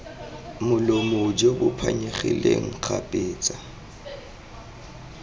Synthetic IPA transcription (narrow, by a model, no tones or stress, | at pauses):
mʊlomod͡ʒebʊpʰa̰ɲeχḭleŋ̩k͡xʰapʼeːt͡sʼa